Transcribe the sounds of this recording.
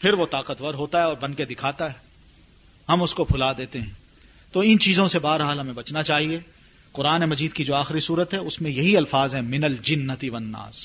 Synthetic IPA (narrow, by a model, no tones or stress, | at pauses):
pʰɪɾʋot̪aːqət̪ʋəɾɦoːt̪aɦɛɔːɾbɐ̃nked̪ɪkʰaːt̪aɦɛː | ɦɐmʊskopʰʊlad̪eːt̪eɦɛ̃ː | t̪oːɪnt͡ʃiːzõsebaːɾɦaːlɦɐmẽbɐt͡ʃnat͡ʃaːɦie | qʊɾaːnemɐd͡ʒiːd̪̚kid͡ʒoːaːxɪɾisuːɾət̪ɦɛʊsmẽjɐɦiɐlfaːzɦɛ̃mɪnɐld͡ʒɪnːɐt̪iʋɐnːa̰ːs